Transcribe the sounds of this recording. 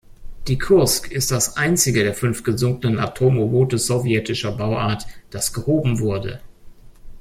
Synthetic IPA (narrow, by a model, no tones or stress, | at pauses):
d̥iːkʰʊɐskɪst̚d̥asʔaɪnt͡sɪɡədeːɐfʏnftɡ̥əzʊŋkənəna̰tʰoːmoboːtəz̥ovjɛtɪʃɐbaʊʔaːɐtd̥asɡ̥əhoːbm̩vʊɐdə̰